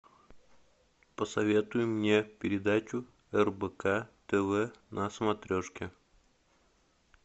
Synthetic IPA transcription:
pəsɐvʲe̞t̪ʊjʊmːnʲe̞pʲɪɾʲɪd̪at͡ɕʊ | ɛrbəkat̪ɛvɛnʔɐsəmɐt̪ɾʲoʂkʲɪ

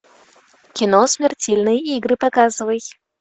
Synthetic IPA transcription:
kʲɪnosmʲɪrtʲelʲnɨjiɡɾɨpakazɨvəj

